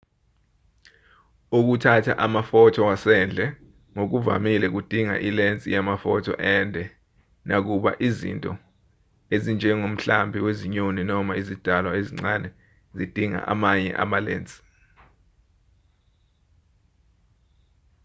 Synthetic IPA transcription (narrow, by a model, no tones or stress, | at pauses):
uk̬utʰatʰa̰ʔamafɔtʰɔwasɛnd͡ɮʱɛ | ŋok̬uva̰milɛk̬ud̥ʱiŋa̰ʔilent͡sʼḭjamafɔtʰɔ̰ʔɛndʱɛ | nʔak̬uɓa̰ʔizḭntʼɔ | ezind͡ʒʱɛŋom̩ɬambʱiweziɲoninɔmaizid̥ʱalwaeziŋ͡ǀanɛ | zid̥ʱiŋa̰ʔa̰maɲɛ̰ʔa̰malḛːnt͡sʼi̥